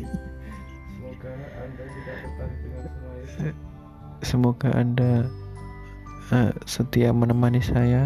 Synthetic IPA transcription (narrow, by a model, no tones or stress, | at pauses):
səmoɡaʔanda | əsət̪iamənəmanisaja